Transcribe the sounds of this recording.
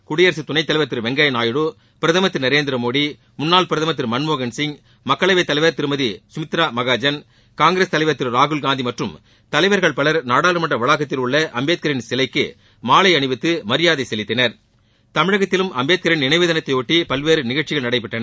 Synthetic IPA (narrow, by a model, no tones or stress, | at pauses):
kʊɽɪjɐɾs̬it̪ʊnɐɪt̪ːɐlɐɪʋɐɾt̪ːɪɾʋɛŋɡɐjnaːjɯɽu | pɪɾɐðɐmɐt̪ːɯɾnɐɾeːnd̪ɪɾɐmoːɽi | mʊnːaːlpɪɾɐðɐmɐt̪ːɪɾmɐnmoːɣɐnsɪŋ | mɐkːɐɭɐʋɐɪt̪ːɐlɐɪʋɐɾt̪ɪɾɯmɐðisʊmɪt̪ːɪɾaːmɐɣaːd͡ʒɐn | kaːŋɡɪɾeːst̪ɐlɐɪʋɐɾt̪ːɪɾɾaːɣɯlɡaːnd̪imɐʈrɯm | t̪ɐlɐɪʋɐɾɣɐɭpɐɭɐɾnaːɽaːlɾɯmɐɳʈrɐʋɐɭaɣɐt̪ːɪlʊɭːɐʔɐmbeːt̪̚kɐɾɪnsɪlɐɪkːɯ̰ | maːlɐɪɐɳɯʋɪt̪ːɯmɐɾɪjaːðɐɪsɛlɪt̪ːɐnɐɾ | t̪ɐmɪɻɐɣɐt̪ːɪlɯmʔɐmbeːt̪̚kɐɾɪnnɪnɐɪʋɯðɐnɐt̪ːɐɪjoːʈːipɐlʋeːɾɯnɪɣɐɭt͡ʃːɪɣɐɭnɐɽɐɪp̬ːɪʈːɐnɐ